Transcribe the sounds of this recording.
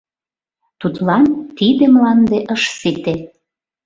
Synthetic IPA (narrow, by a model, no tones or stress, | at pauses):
t̪ut̪lɑnt̪id̪ĕmlɑnd̪eʔəʃsit̪e